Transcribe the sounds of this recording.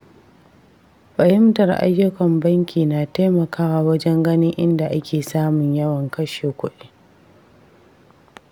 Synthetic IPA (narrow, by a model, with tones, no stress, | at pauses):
ɸɐ˨hɪ˦mtɐ˨rʔa̰˦jːʊ˦kɐ˨mbɐ˦ŋkʲʰiː˨naː˨teː˦mɐ˨kaː˦waː˨wɐ˦d͡ʒɛ˦ŋɡɐ˦nɪ˦ŋʔɪ˦nda˨ʔa˦kʲʰeː˨saː˦mʊ˨ɲjɐ˦wɐ˨ŋkɐ˦ʃeː˨kʷʊ˦ɗeː˦